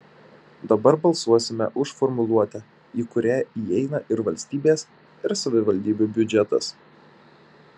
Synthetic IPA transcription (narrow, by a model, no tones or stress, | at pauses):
d̪ɐbɐɾbɐlˠsuɔsʲɪmʲɛ̰ʔʊʃfɔɾmʊlˠuɔt̪ʲɛ | iːkʊɾʲæːiːɛɪnɐʔɪɾʋɐlʲsʲt̪ʲiːbʲeːs | ɪɾsɐʋʲɪʋɐlʲd̪ʲiːbʲuːbʲʊd͡ʒʲɛt̪ɐ̰s